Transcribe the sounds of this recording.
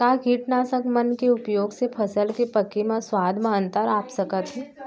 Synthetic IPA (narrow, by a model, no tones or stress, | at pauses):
kaːɡʱiːʈnasəkmɐnkeʊpjoːɡsepʰɐsəlkepɐkimãswaːd̪ʱmãə̃nt̪əɾaːpsɐkət̪ɦɛ